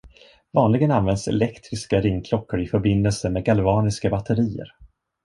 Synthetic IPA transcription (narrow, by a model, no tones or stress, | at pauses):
vɑːnlɪɡənanvɛnd̪sɛ̰lɛkt̪ɾɪskaɾɪŋːkʰlɔkːʊɾɪfœɾbɪndɛlsəmeːɡalvɑːnɪskabat̪ʰːəɾiːə̰ɾ